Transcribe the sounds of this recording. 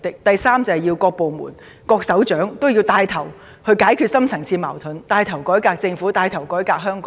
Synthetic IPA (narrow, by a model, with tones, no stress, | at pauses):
t̪ɪ˨k̚t̪ɐ˨jsaː˥mt͡sɐ˨ɐ˨jiː˧wkɔː˧k̚po˨wmṵː˨˩n | kɔː˧k̚sɐ˨˥wt͡ʃœː˨˥ŋt̪o˥wji˧wt̪aː˧jt̪ʰɐ˨˩w | hɵ˧ɥkaː˨˥jkʰy˧t̚sɐ˥mt͡sʰɐ˨˩ŋt͡sʰiː˧ma̰ː˨˩wt̪ʰɵ˨˥nt̪aː˧jt̪ʰɐ˨˩wkɔː˨˥jkaː˧k̚t͡sɪ˧ŋfuː˨˥t̪aː˧jt̪ʰɐ˨˩wkɔː˨˥jkaː˧k̚ɦœː˥ŋk